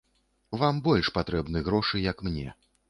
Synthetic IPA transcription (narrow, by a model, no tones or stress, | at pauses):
vambɔlʲʂpat̪ɾɛbnɨɣɾɔʂɨjɐkmnʲɛ̰